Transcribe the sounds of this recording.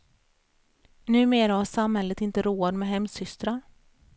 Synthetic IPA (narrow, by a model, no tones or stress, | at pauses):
nʉ̟ːmeːɾahaʂamhɛlːət̪ɪnt̪əɾoːad̪mɛɦɛmsʏst̪ɾa